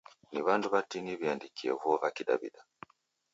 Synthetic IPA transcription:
niβanduβatiniβiandikiɛ̰vuɔvakiɗa̰bḭɗa

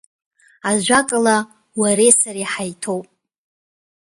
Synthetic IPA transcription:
aʒʷakʼala | waɾesariħajtʰowpʼ

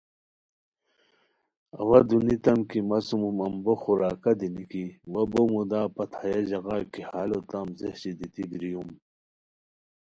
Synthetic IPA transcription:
ɐ̰wɐd̪unit̪ɐmkimɐsumumɐmboxuɾaːkɐd̪inikiwɐbomud̪aːpɐt̪ʰajɐʑɐɣakihaːlot̪ɐmzehɕid̪it̪ibɾijum

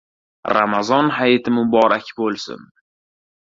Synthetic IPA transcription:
ɾamazɒnɦajt̪ʰɪmʊbɒɾakʲbolˠsɪ̰n

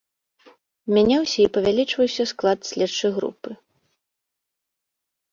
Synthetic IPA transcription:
mʲanʲawsʲɐipɐvʲalʲit͡ʂvɐwsʲɐsklˠat̪sʲlʲɛt͡ʂːɐjɣɾṵpɨ

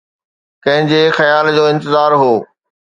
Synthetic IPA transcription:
kɐ̃ɦɪ̃ɲd͡ʑexɐjaːld͡ʑoːɪ̃nt̪ɪzaːɾɦoː

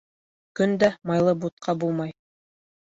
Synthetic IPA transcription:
kɵnd̪æmɑjlˠɤbut̪̚qʰɑbulˠmɑj

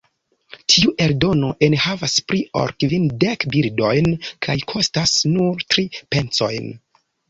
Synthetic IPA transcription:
tʰiuʔe̞ɾdo̞no̞ʔe̞nhavaspɾio̞̰ɾkvindekbiɾdo̞jnkʰajkʰo̞stasnuɾtɾipe̞nt͡so̞̰jn

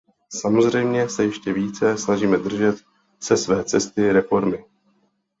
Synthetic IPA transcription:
samo̞zr̝ɛjmɲɛsɛjɛʃcɛviːt͡sɛsnaʒiːmɛd̪r̩ʒɛt̪ | sɛsvɛːt͡sɛst̪ɪɾɛfo̞ɾmɪ

